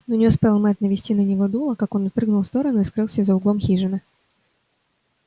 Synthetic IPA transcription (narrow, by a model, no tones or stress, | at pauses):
nonʲɪʊspʲelˠmɛt̪nəvʲɪsʲtʲinənʲɪvo̞d̪ulˠəkako̞nɐt̪̚pɾɨɡnʊlˠst̪o̞ɾənʊiskɾɨlˠsʲəzəʊɡlˠomxʲiʐɨnə